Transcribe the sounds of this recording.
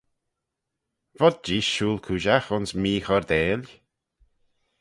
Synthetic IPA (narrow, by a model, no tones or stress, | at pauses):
vɔd̪̚d͡ʒiːʃuːlkʰuːʒaxʊnsmiːxɔɹd̪eːlʲ